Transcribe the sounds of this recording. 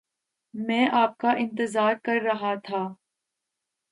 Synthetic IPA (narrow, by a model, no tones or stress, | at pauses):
mɛ̃ːʔaːp̚kaʔɪ̃nt̪ɪzaːɾkɐɾːɐɦat̪ʰaː